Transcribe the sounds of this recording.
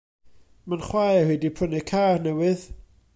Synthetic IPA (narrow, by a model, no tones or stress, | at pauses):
manχwajahɛdipʰʊnɨkʰaːrnɛwɨð